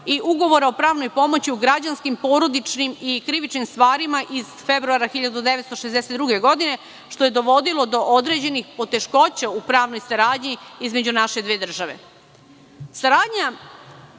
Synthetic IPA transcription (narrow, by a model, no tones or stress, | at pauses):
iʔuɡo̞ʋo̞ɾaopɾaːʋnojpo̞mo̞t͡ɕiuɡɾad͡ʑanskimpo̞ːɾo̞d̪it͡ʃnimikɾiʋit͡ʃnimst̪ʋaːɾimaʔiz̥febɾuaɾaxiʎad̪ud̪eʋet̪st̪oʃezd̪eset̪d̪ɾuɡe̞ɡo̞d̪ine̞ | ʃt̪o̞je̞d̪o̞ʋo̞d̪ilˠo̞d̪o̞ʔod̪ɾe̞ːd͡ʑe̞nixpo̞t̪e̞ʃko̞t͡ɕaupɾaːʋnojsaɾaːd̪ɲiizme̞d͡ʑunaʃe̞d̪ʋeːd̪r̩ʒaʋḛ | saɾaːd̪ɲa